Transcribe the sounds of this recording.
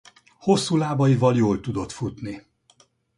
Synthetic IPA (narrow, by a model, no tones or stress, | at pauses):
ho̞sːuːlaːbɒivɒljoːlt̪ud̪o̞t̪fut̪ni